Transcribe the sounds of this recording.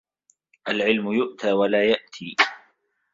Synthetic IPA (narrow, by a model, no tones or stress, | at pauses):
ʔalʕɪlmʊjʊʔt̪ʰaːwalaːjaʔt̪ʰiː